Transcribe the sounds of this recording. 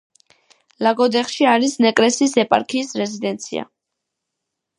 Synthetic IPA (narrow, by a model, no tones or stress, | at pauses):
laɡɔd̪ɛχʃiaɾisnɛkʼɾɛsisɛpʼa̰ɾkʰiːsɾɛzid̪ɛnt̪sʰḭa̰